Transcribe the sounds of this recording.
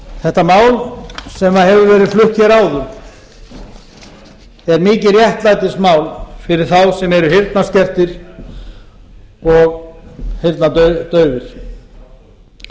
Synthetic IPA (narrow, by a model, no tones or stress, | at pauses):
θɛht̪ːamaːwlsɛmaðɦɛvʏɾvɛːɾɪflʏhcɛɾaːwðʏɾ | ɛɾmiːcɪrjɛht̪laːjt̪ɪsmaːwlfɪɾɪɾ̥θawsɛmɛɾʏɦɪɾt̪nascɛr̥t̪ɪɾ̥ | ɔɣhɪɾt̪nat̪œːɥvɪɾ̥